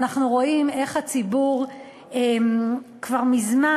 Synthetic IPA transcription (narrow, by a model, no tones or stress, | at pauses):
naχnuʁo̞ime̞χhat͡sibuʁ | emkvaʁmizma